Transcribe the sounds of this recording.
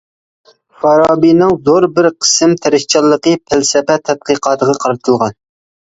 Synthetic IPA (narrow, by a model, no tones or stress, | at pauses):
fɑɾɑːbinɨŋzoɾbɪɾqʰə̥sɪmt̪ʰæɾɪʃt͡ʃʰɑlˠːəqəpʰælsɛpɛt̪ʰːɛt̪̚qəqʰɑːt̪əʁɑqʰɑɾɨt̪ʰɨlˠʁɑn